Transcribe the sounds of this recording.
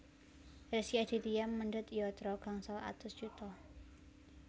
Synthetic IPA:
resiad̪̥i̤t̪iamːəɳɖət̪ijɔt̪ɾɔɡ̥aŋsala̰t̪ʊsʒ̥ut̪ɔ

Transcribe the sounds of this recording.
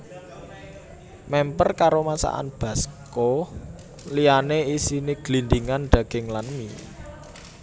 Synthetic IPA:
mɛmpərkaɾomasa̰ʔa̰nb̥a̤sko | lijaneisiniɡ̥lind̪iŋanɖ̪̥ä̤ɡ̥ɪ̤ŋlanmi

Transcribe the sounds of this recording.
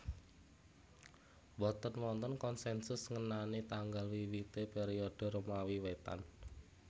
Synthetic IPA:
wɔt̪ənwɔnt̪ənkɔnsɛnsʊsŋənanit̪aŋɡalwiwit̪epeɾiɔɖ̥ə̤ɾomawiwet̪a̰n

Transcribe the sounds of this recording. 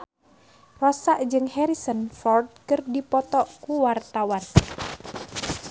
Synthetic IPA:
rɔsaʔd͡ʒɨŋhɛɾisənfɔrd̪̚kɨrdipɔt̪ɔʔkuwart̪awan

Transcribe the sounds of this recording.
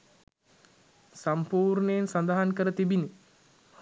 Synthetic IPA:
sampuːɾnəjensand̪aɦankəɾət̪ibini

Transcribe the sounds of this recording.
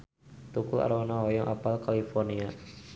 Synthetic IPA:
t̪ukula̰ɾwanawɔjɔŋʔapalkalifɔrnia

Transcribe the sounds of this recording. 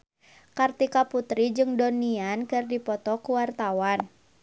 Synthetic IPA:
kart̪ikaput̪ɾid͡ʒɨŋdɔniankɨrdipɔt̪ɔkuwart̪awan

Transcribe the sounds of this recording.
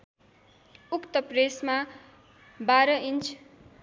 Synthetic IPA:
ukt̪ʌpresma | baɾʌʔint͡sʰ

